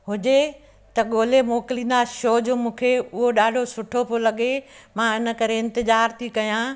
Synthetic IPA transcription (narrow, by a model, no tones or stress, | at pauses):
ɦʊd͡ʑe | t̪ɐɠoːlemoːkɪlĩːn̆d̪aʃoːd͡ʑoːmũːkʰeʊɦoɗaːɖʱosʊʈʰopʰolɐɠemãːɪnə̆kɐɾeɪ̃nt̪ɪzaːɾt̪ʰikɐjãː